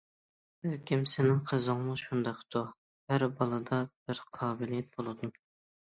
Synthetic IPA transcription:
bɪɾkʲʰimsɪnɪŋqʰəzɨŋmuʃund̪ɑqt̪ʰu | hæɾbɑlˠɨd̪ɑb̥ɪɾqʰɑːbɪlijɛt̪̚bolˠɨd̪um

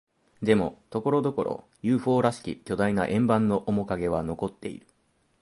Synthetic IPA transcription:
d̪e̞mo̞̰t̪o̞ko̞ɾo̞d̪o̞ko̞̰ɾo̞̰ | jɯ̟ːɸo̞ːɾaɕi̥kʲḭkʲo̞d̪ainaʔẽ̞mbãnːo̞ʔomo̞kaɡe̞β̞ano̞ko̞t̪ːe̞̰ḭɾɯ̟

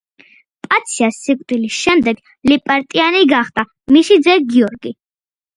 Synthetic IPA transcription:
pʼat̪sʰiasːikʼd̪ilisʃɛmd̪ɛɡ | lipʼɛɾt̪ʼianiɡaχd̪ʼa | miʃid̪zɛɡiɔɾɡi

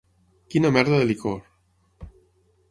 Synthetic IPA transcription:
kinamɛɾðaðelikoɾ

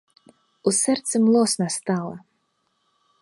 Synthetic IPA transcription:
usɛɾt̪sɨmlˠɔːsnast̪aːlˠa̰

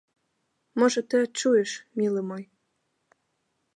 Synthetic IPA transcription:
mɤ̆ʒɤ̆t̪ə̆t͡ɕueʃmilə̆moj

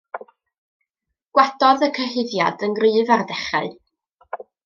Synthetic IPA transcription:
ɡ̥wadɔðəkʰəɦɨðja̰dənɡrɨːvardɛχa̰ɨ

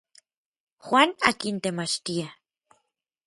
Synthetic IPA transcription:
xwʷaːna̰kint̪emat͡ʃt̪ia

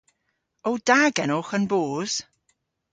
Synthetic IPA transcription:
owdaɡɛnoxənboːz̥

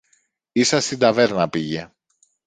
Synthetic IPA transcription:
isɐst̪id̪ɐve̞ɾnɐpiʝe̞

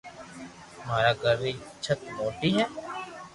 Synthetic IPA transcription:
maːɾaːɡəɾʋiːt͡ʃʰət̪moːʈiːɦɛː

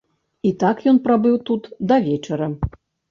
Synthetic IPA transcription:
it̪akjɔnpɾabɨwt̪ut̪d̪ɐvʲɛt͡ʂɐɾɐ

